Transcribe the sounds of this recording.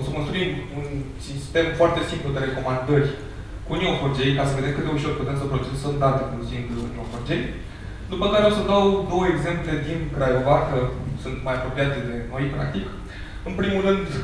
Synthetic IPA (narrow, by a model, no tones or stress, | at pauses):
səko̞nst̪ɾuimunsist̪e̞mfoart̪e̞simplud̪e̞ɾe̞ko̞mand̪ərʲ | kunioford͡ʒe̞jkasəve̞d̪e̞mkɨtd̪d̪e̞uʃo̞rput̪e̞msəpɾot͡ʃed̪sənd̪at̪eponosind̪nioford͡ʒej | d̪upəkaɾeawsəd̪awd̪o̞wəeɡze̞mple̞d̪inkɾajovakəsunt̪majapɾo̞pijat̪d̪e̞no̞jpɾa̰k̚t̪ik | ɨnpɾimulrɨnd̪